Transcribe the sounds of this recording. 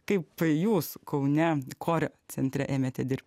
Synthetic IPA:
kɐɪpjuːskɐʊnʲɛkʰoːɾʲɛt͡s̪ʲɛnʲt̪ʲɾʲɛʔeːmʲeːt̪ʲɛd̪ʲɪɾʲp̚ʲtʲ

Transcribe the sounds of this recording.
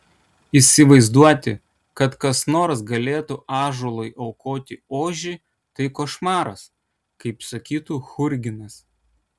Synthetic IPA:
isʲɪʋɐɪzd̪uɔt̪ʲɪ | kɐt̪kɐsnoːɾsɡɐlʲeːt̪uʔɑːʒolˠɐɪʔɐʊkoːt̪ʲɪoːʒʲi | t̪ɐɪkoːʃmɑːɾɐs | kɐɪpsɐkʲiːt̪uːxʊɾʲɡʲɪnɐs

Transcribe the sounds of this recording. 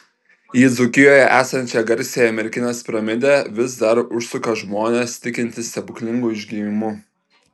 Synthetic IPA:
jiːd̪zʊkʲɪjoːjɛʔæːsɐnʲt͡ʃʲɛɡɐɾʲˑsʲejɛɐmʲɛɾʲɪkʲɪnʲeːspɾɐmʲɪd̪ʲɛʋʲɪsd̪ɐɾʊʃsʊkɐʒmoːnʲest̪ʲɪkʲɪnʲt̪ʲɪsʲɛbʊkʲlʲɪŋɡʊɪʒʲɡʲiːʋʲɪmʊ

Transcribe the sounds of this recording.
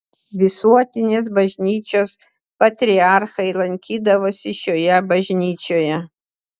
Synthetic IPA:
ʋʲɪsuɔt̪ʲɪnʲeːs̬bɐʒʲnʲiːt͡ʃʲoːs | pɐt̪ʲɾʲiarxɐilˠɐŋʲkʲiːd̪ɐʋoːsʲɪʃoːjɛbɐʒʲnʲiːt͡ʃʲoːjɛ

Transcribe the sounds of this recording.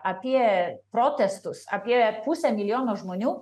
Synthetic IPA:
ɐpʲiɛpɾoːt̪ʲɛst̪ʊsɐ̰pʲiɛpusʲɛmʲɪlʲɪjoːnoːʒmoːnʲuː

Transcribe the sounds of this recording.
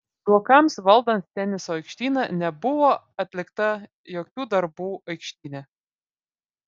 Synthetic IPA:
buɔkɐmsʋɐlˠd̪ɐnt̪t̪ʲɛnʲɪsoːɐɪkʃʲt̪ʲiːnɑnʲɛbʊʋoː | ɐt̪ʲlʲɪkt̪ɐ | joːkʲuːd̪ɐɾbuːɐɪkʃʲt̪ʲiːnʲɛ

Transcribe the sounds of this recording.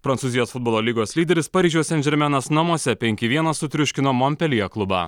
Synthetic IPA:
pɾɐnt̪suːzʲɪjoːsfʊd̪boːlˠoːlʲiːɡoːslʲiːd̪ʲɛɾʲɪspɑːɾʲiːʒʲuɔsʲɛnʲd͡ʒʲɛɾʲmʲɛnɐsnɐmuɔsʲɛpʲɛŋʲkʲɪʋʲiɛnɐssʊt̪ʲɾʲʊʃʲkʲɪnoːmɔmʲpʲɛlʲɪjɛklˠʊbɑ̰ː

